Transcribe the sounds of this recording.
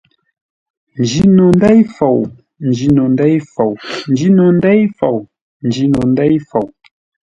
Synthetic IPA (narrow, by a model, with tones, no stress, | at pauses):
n̩˨d͡ʒi˦no˨n˦dɛ˦jfo˨w | n̩˨d͡ʒi˨no˨ndɛ˦jfo˨wn̩˨d͡ʒi˨˦no˨n˦dɛ˦jfo˨w | n̩˨d͡ʒi˨˦no˨n˦dɛ˦jfo˨w